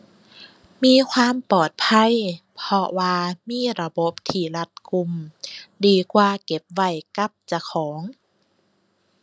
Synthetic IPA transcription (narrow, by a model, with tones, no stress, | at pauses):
miː˧˥˨kʰwaː˧˥˨mpɔː˨˩t̪̚pʰa˧˥˨jpʰɔ˧waː˧miː˧˥˨ɾa˧bo˧˦p̚t̪ʰiː˧˩la˧t̪̚ku˧mdiː˧˩kwaː˧ke˧˦p̚wa˧˩jka˧˥p̚t͡ɕa˧kʰɔː˩˦ŋ